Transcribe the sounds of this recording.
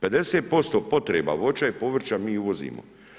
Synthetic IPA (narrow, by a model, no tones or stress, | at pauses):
pe̞d̪e̞seːt̪̚po̞st̪oːpo̞t̪ɾeːba̰ʋo̞t͡ʃaepo̞ʋr̩t͡ʃamiːuʋo̞zḭːmo̰